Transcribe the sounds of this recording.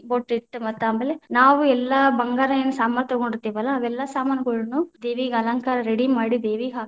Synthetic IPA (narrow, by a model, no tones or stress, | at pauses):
boːʈːiʈːmɐt̪ːaːmeːlenaːʋuɛlːɐbɐŋɡaːɾɐeːnːɐsaːmaɾt̪ɔɡoɳɖiɾt̪ːiːʋɐlːɐːʋɛlːɐsaːmaːnɐɡɐɭunud̪eːʋiɡɐlɐŋkaːɾɐɾeɽimaːɽid̪eːʋiɦaːɡ